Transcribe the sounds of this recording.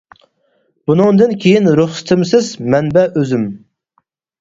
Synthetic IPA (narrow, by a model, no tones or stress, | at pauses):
b̥unɨŋd̪ɨnkʲʰejinɾuχsɨ̥t̪ʰɪmsɪzmɛnbɛøzym